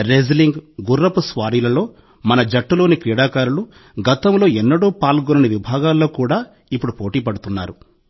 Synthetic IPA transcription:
ɾeːd͡ʒliŋɡɡurːɐpusʋaːɾiːlɐlo̞ː | mɐnɐd͡ʒɐʈːulo̞ːnikɾiːɽaːkaːɾulu | ɡɐt̪ɐmlo̞ːɛnːɐɽoːpaːlɡonɐniʋibʱaːɡaːlːo̞ːkuːɽaː | ipːuɽupo̞ːʈiːpɐɽut̪unːaːɾu

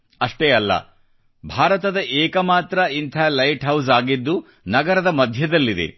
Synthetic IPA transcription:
ɐʂʈeːɐlːɐ̰ | bʱaːɾɐt̪ɐd̪ɐʔeːkɐmaːt̪ɾɐint̪ʰaːlɐjʈɦɐws̬aːɡid̪ːu | nɐɡɐɾɐd̪ɐmɐd̪ʱjɐd̪ɐlːid̪ḛ

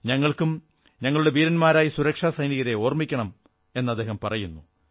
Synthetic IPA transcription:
ɲɐŋːɐɭkum | ɲɐŋːɐɭuɽe̞ʋiːɾɐnmaːɾaːjisuɾɐkʂaːsɐjniɣɐɾeo̞ːrmikʲːɐɳɐm | e̞nːɐd̪ːe̞ːhɐmpɐrɐjunːu

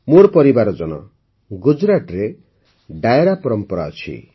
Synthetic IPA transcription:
moɾpɔɾibaɾɔd͡ʒɔnɔ̰ | ɡud͡ʒɾaʈɔɾe | ɖajeɾapɔɾɔmpɔɾa̰ɔt͡ʃʰḭ

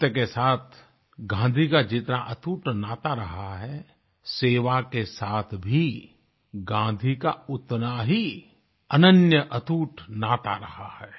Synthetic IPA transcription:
t̪əkesaːt̪ʰ | ɡãːnd̪ʱikad͡ʒɪt̪naʔɐt̪ʰuːʈnaːt̪aɾɐɦaɦɛ | seːʋakesaːt̪ʰbʱi | ɡãːd̪ʱikaʊt̪naɦi | ɐnənjəʔɐt̪ʰuːʈnaːt̪a̰ɾɐhahɛː

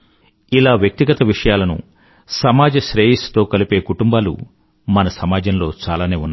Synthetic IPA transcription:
ilaːʋjɐk̚t̪iɡɐt̪ɐʋiʂɐjaːlɐnṵ | sɐmaːd͡ʒɐʃɾeːjist̪o̞ːkɐlipe̞ːkuʈumbaːlṵ | mɐnɐsɐmaːd͡ʒɐnlo̞ːt͡ʃaːlaːneːunːa

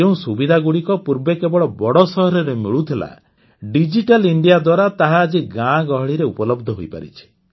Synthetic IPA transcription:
eũsubid̪ʱaɡuɽikɔpuɾbekebɔɭɔbɔɽɔsɔɦɔɾɔɾemiɭut̪ʰila̰ | ɖid͡ʒiʈaliɳɖijad̪waɾat̪aɦaːd͡ʒiɡãɡɔɦɔɭiɾeupɔlɔbd̪ʱɔɦojpa̰ɾḭt͡ʃʰi̥

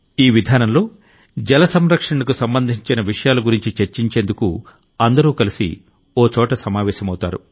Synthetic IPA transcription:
iːʋid̪ʱaːnɐmlo̞ː | d͡ʒɛlɐsɐmɾɐkʂɐɳɐkusɐmbɐnd̪ʱiɲt͡ʃinɐʋiʂɐjaːlɐɡuɾiɲt͡ʃit͡ʃeɾt͡ʃiɲt͡ʃe̞ːnd̪ukṵ | ɐnd̪ɐɾuːkɐlisḭ | oːt͡ʃɔːʈɐsɐmaːʋɛːʃɐmɐwt̪aːɾṵ

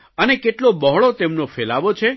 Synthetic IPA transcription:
ənekeʈlobɔɦɭot̪emnofelaʋot͡ʃʰe

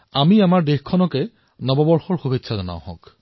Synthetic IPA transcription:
amiamaɹdexkʰɔnɔkɛ | nɔbɔbɔɹxɔɹxubʱetːsʰazɔna̰w̃hɔ̰̃k

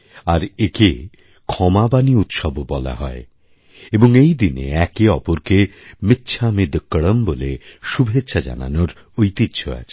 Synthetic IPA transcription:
aɾeke | kʰɔmabaniut̪ʃɔbobɔla̰ɦɔe | eboŋejd̪inḛɛkeɔpoɾkemit̪ːɕʰamid̪kːəɽəmboleʃubʱetːɕʰad͡ʑa̰na̰noɾ | ojt̪it̪ːɕʰoa̰t͡ɕʰe̥

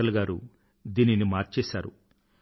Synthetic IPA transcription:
ɐlɐɡaːɾu | d̪iːninimaːɾt͡ʃɛːʃaːɾu

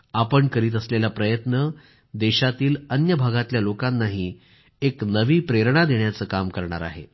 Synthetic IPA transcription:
apəɳkəɾiːt̪̬əslelapɾəjət̪nə | d̪ɛɕat̪iːlənjəbʱaɡat̪ljalokanːaɦiː | eknəʋiːpɾeɾɳad̪eɳjat͡səːkamkəɾɳa̰ɾa̰ɦḛ

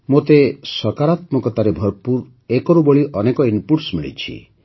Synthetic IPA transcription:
mot̪esɔkaɾat̪mɔkɔt̪aɾebʱɔɾpuɾ | ekɔɾuboɭiʔɔnekɔimpuɾsmiɭḭt͡ʃʰḭ

